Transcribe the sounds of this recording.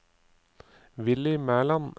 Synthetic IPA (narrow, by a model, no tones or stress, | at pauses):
ʋɪlɪmæːlɑn